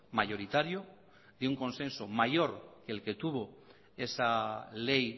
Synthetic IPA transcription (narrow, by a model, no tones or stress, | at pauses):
majo̞ɾit̪aɾjo | d̪euŋko̞nsẽ̞nsomajo̞ɾke̞ːlke̞t̪uβ̞o̞ | e̞salej